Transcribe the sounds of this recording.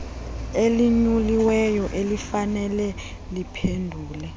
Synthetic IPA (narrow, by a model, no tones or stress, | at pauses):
eliɲuliwɛjɔʔelifanɛlɛ | lipʰendʱuːlɛ